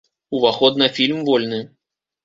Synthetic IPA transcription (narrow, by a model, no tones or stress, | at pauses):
uvaxɔd̪nɨfʲilʲmvɔlʲnɨ